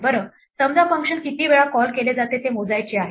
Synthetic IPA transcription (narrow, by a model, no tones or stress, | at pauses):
bəɾəː | səmd͡zafəŋkʂənkit̪iːʋeɭakɔlkeled͡zat̪et̪emod͡zajt͡ɕiːaɦe